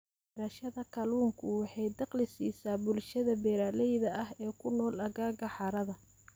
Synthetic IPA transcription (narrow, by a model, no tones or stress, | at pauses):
ɾɐʃɐðɐkʰɐluːŋkʰʊwɑħɑjd̪ɑqlɪsiːsaːbʊlʃɐðɐbɛːɾaːlɛjðɐʔɐhɛːkʰʊnɔːlɐɣaːɣɐħɑɾɐðɐ